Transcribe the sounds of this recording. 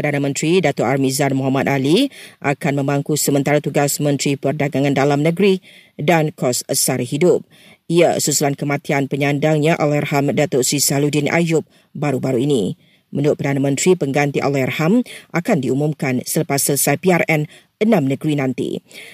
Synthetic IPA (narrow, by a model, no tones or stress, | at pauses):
ərdanamə̃nt̪ɾidat̪ʊʔarmizanmoɦamat̪̚aliʔakanmə̃mbaŋkusəmənt̪aɾat̪uɡasmə̃nt̪ɾipərdaɡaŋãndalamnəɡɾi | dankɔsəsaɾhidʊp̚ | iasusulankəmãt̪ianpəɲandaŋɲãʔalɔjarhamdat̪ʊʔsisaludinʔa̰jʊp̚ | baɾubaɾuinĩ | mənuʊt̪̚pərdanamə̃nt̪ɾipəŋɡant̪iʔa̰lɔhjarhamʔakandiumumkansələpasːələsajpiarɛn | ənãmnəɡɾinãnt̪ḭ